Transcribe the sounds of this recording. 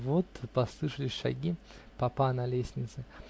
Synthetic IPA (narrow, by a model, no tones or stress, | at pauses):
vot̪pɐslˠɨʂəlʲɪsʲʂɐ̰ɡʲi | pɐpanɐlʲesʲnʲɪt̪sɨ